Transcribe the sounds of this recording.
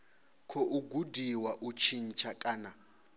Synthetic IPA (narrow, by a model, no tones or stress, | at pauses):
kʰɔʔuɡudʱiwaʔut͡ʃʰint͡ʃʰakʼaːna